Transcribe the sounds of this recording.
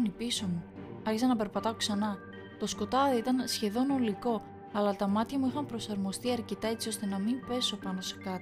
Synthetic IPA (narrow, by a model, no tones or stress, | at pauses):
nipiso̞muɐɾçisɐnɐpe̞ɾpɐt̪ɐoksɐnɐ | t̪o̞sko̞t̪ɐðiit̪ɐnsçe̞ðo̞no̞liko̞ | ɐlɐt̪ɐmɐt̪çɐmuixɐmpɾo̞sɐɾmo̞st̪iɐɾce̞t̪ɐe̞t͡sio̞st̪e̞nɐmimpe̞so̞pɐno̞se̞kɐt̪i